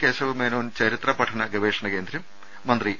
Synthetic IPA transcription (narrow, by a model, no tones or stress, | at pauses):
keːsɐʋɨmeːnoːnt͡ɕɐɾit̪rɐpɐʈʰɐɳɐɡɐʋeːʂɐɳɐkeːnd̪ɾɐmː | ɐnd̪ri